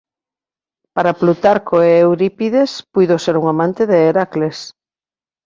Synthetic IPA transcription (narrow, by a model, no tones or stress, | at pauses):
paɾaplut̪aɾkoeːwɾipiðespujðoseɾuŋamãnt̪eðeːɾakles